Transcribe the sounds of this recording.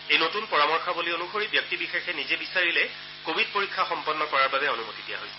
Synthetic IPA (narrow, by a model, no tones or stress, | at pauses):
ejnotunpɔɹamɔɹxabolionuxoɹibjɔk̚tibixexɛnizɛbisaɹilɛ | kobʱid̚poɹikʰːaxɔmpɔnːɔkɔɹaɹbabɛonumotidija̰ɦojsɛ̥